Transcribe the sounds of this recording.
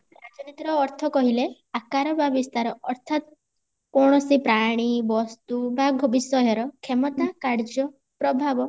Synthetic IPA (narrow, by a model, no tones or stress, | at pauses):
ɾad͡ʒɔnit̪ɾɔːɾt̪ʰɔkɔɦile | akaɾɔbabist̪aɾɔɔɾt̪ʰat̪̚ | kɔɽ̃ɔsipɾaɽ̃ibɔst̪ubaɡʱobisɔɦɔɾɔkʰemɔt̪akaɾd͡ʒɔ | pɾɔbʱabɔ